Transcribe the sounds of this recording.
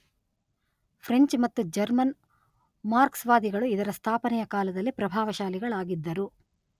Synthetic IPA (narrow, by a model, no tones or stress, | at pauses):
pʰɾeɲt͡ʃmɐt̪ːud͡ʒɐɾmɐn | maːɾksʋaːd̪iɡɐɭuid̪ɐɾɐst̪ʰaːpɐnɛjɐkaːlɐd̪ɐlːipɾɐbʱaːʋɐʃaːliɡɐɭaːɡid̪ːɐɾu